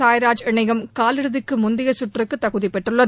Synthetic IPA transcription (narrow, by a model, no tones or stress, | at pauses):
aːjɾaːd͡ʒɪɳɐɪɣɐmkaːlɪɽɯðɯkːɯmʊnd̪ɪjɐsʊʈrɯkːɯt̪ːɐɣɯðipɛʈrɯɭːɐ